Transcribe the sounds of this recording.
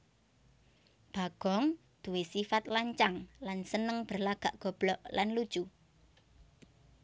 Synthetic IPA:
b̥a̤ɡ̥ɔ̤ŋ | d̪̥ṳwesifat̪̚laɲt͡ʃaŋlansənəŋb̥ə̤rlaɡ̥a̤ʔɡ̥ɔ̤b̥lɔʔlanlud̥ʒ̥u

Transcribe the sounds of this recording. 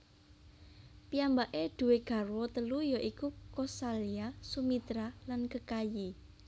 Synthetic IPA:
piambaʔeɖ̪̥ṳweɡ̥a̤rwɔt̪əlujɔʔikukɔsaliasumit̪ɾalankəkaji

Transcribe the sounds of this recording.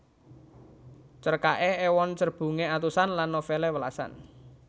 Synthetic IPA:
t͡ʃərkaʔeewɔnt͡ʃərb̥ṳŋeat̪usanlanːofelewəlasa̰n

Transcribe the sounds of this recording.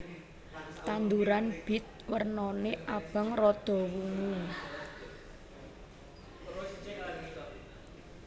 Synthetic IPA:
t̪and̪uɾanb̥ɪ̤t̪̚wərnɔneʔab̥a̤ŋrɔd̪̥ɔ̤wuŋu

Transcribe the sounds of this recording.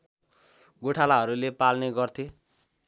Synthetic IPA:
ɡoʈʰalaɦʌɾulepalneɡʌrt̪ʰe

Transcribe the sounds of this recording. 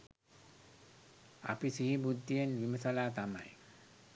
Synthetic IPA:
a̰pisiɦibud̪ːijenʋiməsalaːt̪ama̰j

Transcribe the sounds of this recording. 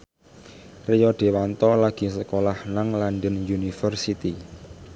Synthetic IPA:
rijɔɖ̪̥e̤want̪ɔlaɡ̥i̤səkolahnaŋlanɖənjunifərsit̪i

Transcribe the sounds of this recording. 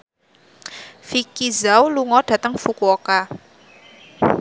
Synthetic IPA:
fikizawluŋɔɖ̥ä̤t̪əŋfukuoka

